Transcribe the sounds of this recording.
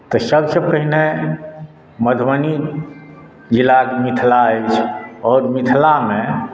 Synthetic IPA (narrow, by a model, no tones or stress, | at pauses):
t̪ɔsəbsəpəɦine | məd̪ʱməni | d͡ʒilakemit̪ʰlaəjt͡ʃʰɔːɾmit̪ʰlamẽ